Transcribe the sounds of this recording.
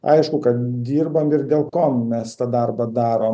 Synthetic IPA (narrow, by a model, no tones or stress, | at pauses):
ɐ̰ɪʃkʊkɐt̪d̪ʲiːrbɐmɪrd̪ʲeːlˠkoːmmʲɛst̪ɑd̪ɐrbɐd̪ɑːɾoːm